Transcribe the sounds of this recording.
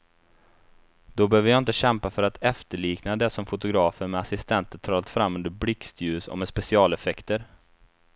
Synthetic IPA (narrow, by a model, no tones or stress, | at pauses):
d̪ɔbəhøːvəjɑːɪnt̪əɕɛmpafœɾat̪ʰɛft̪əɭiːknad̪ɛsɔmfʊt̪ʊɡɾɑːfəɾmɛasɪst̪ʰɛnt̪ət̪ʰɾɑːt̪fɾamːɵnd̪əɾblɪkst̪ʰjʉ̟ːsɔ̰mɛspɛsɪɑːlɛfɛkt̪əɾ